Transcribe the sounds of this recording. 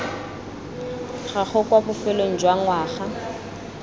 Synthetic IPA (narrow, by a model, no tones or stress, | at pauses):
χaχʊkwabʊfɛloŋ̩d͡ʒwaŋ̩waːχa